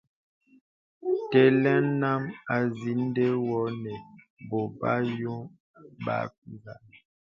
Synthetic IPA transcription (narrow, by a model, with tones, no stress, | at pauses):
tɛ˦lɛ˦na˦ma˨zi˨˦n˦de˦wɔ˨˦nɛ˨ | bo˨ba˦jo˦ | ba̰˨˦fi˦la˨